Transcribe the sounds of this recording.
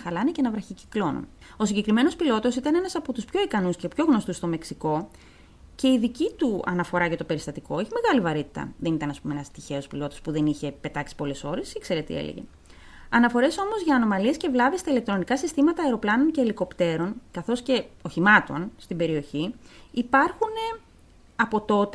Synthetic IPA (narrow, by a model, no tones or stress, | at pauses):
xɐlɐnece̞nɐvɾɐçici̥klo̞nṵn | o̞siɲɟekɾime̞no̞spilo̞t̪o̞sit̪ɐne̞nɐsɐpo̞t̪uspço̞ikɐnusce̞pço̞ɣno̞st̪ust̪o̞meksiko̞ | ce̞iðicit̪uɐ̰nɐfo̞ɾɐʝɐt̪o̞pe̞ɾist̪ɐt̪iko̞eçime̞ɣɐlivɐɾit̪i̥t̪ɐ̰ðe̞nit̪ɐnɐspumeenɐst̪içe̞o̞spilo̞t̪o̞spuðe̞niçe̞pe̞t̪ɐksi̥po̞le̞so̞ɾe̞sikse̞ɾe̞t̪ḭḛlḛʝḛ | ɐnɐfo̞ɾe̞so̞mozʝɐːno̞mɐlie̞sce̞vlɐvist̪ɐilekt̪ɾo̞nikɐsist̪imɐt̪ɐːeɾo̞plɐno̞nce̞ːliko̞pt̪e̞ɾo̞nkɐθo̞sce̞oçimɐt̪o̞̰nst̪ibe̞ɾio̞çiipɐɾxune̞ | ɐpo̞t̪o̞t̪